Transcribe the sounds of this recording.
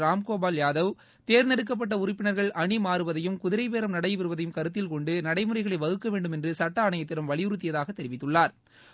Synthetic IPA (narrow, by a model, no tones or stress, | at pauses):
ɾaːmkoːbaːljaːðɐʋ | t̪eːɾnɛɽɯk̬ːɐp̬ːɐʈːɐʊɾɪpːɪɳɐɾɣɐɭɐɳimaːɾɯʋɐðɐjɯmkʊðɪɾɐɪpeːɾɐmnɐɽɐɪʋɪɾɯʋɐðɐjɯmkɐɾɯt̪̬ːɪlkɔɳɖɯnɐɽɐɪmɯɾɐɪɣɐɭɐɪʋɐɣɯkːɐʋeːɳɖɯmɛndrɯsɐʈːɐːɳɐjɐt̪ːɪɾɐmʋɐɭɪjʊɾɯt̪̬ːɪjɐðaːɣɐt̪ːɛɾɪʋɪt̪ːɯɭːaːɾ